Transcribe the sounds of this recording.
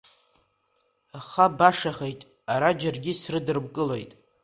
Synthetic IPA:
χabaʂaχe̞jtʼ | aɾad͡ʒarɡʲisrɨdɨrbkʼɨlo̞jtʼ

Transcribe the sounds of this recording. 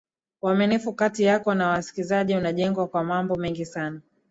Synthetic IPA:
waminifukatijakɔnawasi̥kizaʄiunaʄɛŋɡwakwamambɔmɛŋɡisana

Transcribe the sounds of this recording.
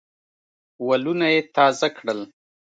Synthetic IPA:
walunajet̪ɑzakɽəl

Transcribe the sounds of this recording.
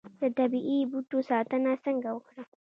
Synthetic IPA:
d̪̥ɐt̪ɐbiʔibuʈosaːt̪ɐnasɐŋɡawʊkɽa

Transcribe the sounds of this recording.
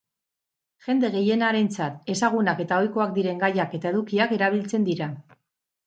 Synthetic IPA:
ʝe̞nd̪e̞ɣe̞je̞naɾe̞nt͡sat̪e̞saɣ̞unake̞t̪ao̞jko̞akd̪iɾe̞ŋɡajake̞t̪ae̞ðukiake̞ɾaβ̞ilt͡se̞nd̪iɾa

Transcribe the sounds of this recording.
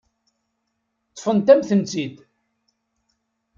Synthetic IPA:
t̪ːˤfənt̪æmθənt͡sid̪

